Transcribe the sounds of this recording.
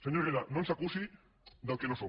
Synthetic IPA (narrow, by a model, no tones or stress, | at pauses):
seɲoɾeɾanonsakusi | ðawkenoso